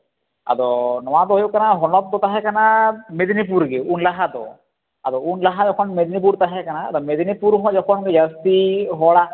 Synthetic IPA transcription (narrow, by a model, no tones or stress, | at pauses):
a̰d̪ɔnɔwad̪ɔɦjukanaɦɔnɔp̚d̪ɔt̪aɦɛkanamed̪nipuɾɡewunlaɦad̪ɔ̰ | a̰d̪ɔunlaɦad͡ʒɔkʰɔnmed̪nip̬uɾt̪aɦɛkanaːd̪ɔmed̪nipuɾɦɔd͡ʒɔkʰɔnjəst̪iɦɔɽa